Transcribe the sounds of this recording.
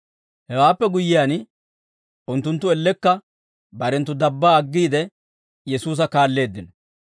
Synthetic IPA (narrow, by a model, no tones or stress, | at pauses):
hɛwaːpːɛɡʊjːɪjaːn | ʊnt̪ːʊnt̪ːʊɛlːɛkːɐ | bɐɾɛnt̪ːʊd̪ɐbːaːɐɡːiːd̪ɛ | jɛsuːs̬ɐkaːlːe̞ːd̪ːɪnɔ